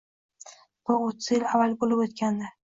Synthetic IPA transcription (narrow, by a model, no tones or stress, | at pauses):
b̥ʊot̪ʰːɪ̥zjɪlavːalˠbolɪpot̪kʲand̪a